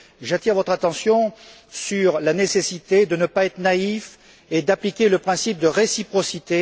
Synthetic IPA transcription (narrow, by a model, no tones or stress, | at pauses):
ʒat̪iʁvɔt̪χat̪ɑ̃sjɔ̃ | syʁlanesesit̪ed̪ənəpaɛt̪χənaif | ed̪aplikʲeləpχɛ̃sip̚d̪əʁesipχɔsit̪e